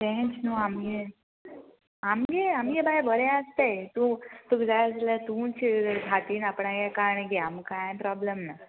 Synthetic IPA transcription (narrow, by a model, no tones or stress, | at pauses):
t̪ɛ̃t͡ɕnuamɡe | amɡeamɡebajbəɾẽəst̪ejt̪ũt̪uɡd͡zajəd͡zlat̪ũːnt͡ɕiɡʱat̪iːnapɳaɡakaɾɳiɡeamkajpɾɔbləmna